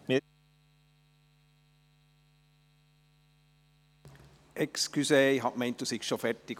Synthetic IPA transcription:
mi | ɛkskyseɪɦɑʔmɛɪnt̪̚d̥̪usikʃofɛrtik

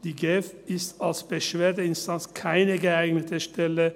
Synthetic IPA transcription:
d̪̥iɡeɛf | ɪst̪ɑlsb̥əʃʋeːd̪əɪnst̪ɑnskʰæɪnəɡəæɪɡnət̪ʰəʃtɛlə

